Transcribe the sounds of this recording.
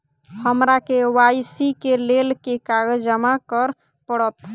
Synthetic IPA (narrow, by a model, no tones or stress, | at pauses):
həmɾakewajsikelelkekaɡəd͡ʒəmakəɾ | pəɽət̪